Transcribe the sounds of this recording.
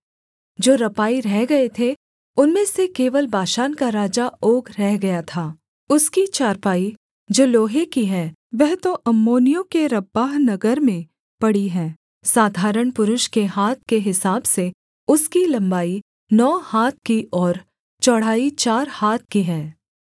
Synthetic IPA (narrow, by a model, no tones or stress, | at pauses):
d͡ʒoːɾɐpaːiɾɛɦɡɐet̪ʰe | ʊnmẽsekeːʋəlbaːʃaːnkaɾaːd͡ʒaoːɡɾɛɦɡɐjat̪ʰaː | ʊskit͡ʃaːɾpaːi | d͡ʒoːloːɦekiɦɛː | ʋɛɦt̪oʔɐmːoːnijõkeɾɐbaːɦnɐɡəɾmẽ | pɐɽiɦɛ̃ː | saːd̪ʱaːɾəɽ̃pʊɾʊʃkeɦaːt̪̚ʰkeɦɪsaːbse | ʊskilɐ̃mbaːi | nɔːhaːt̪̚ʰkiʔɔːɾ | t͡ʃɔɽ̤aːit͡ʃaːɾhaːt̪̚ʰkiɦɛ̃ː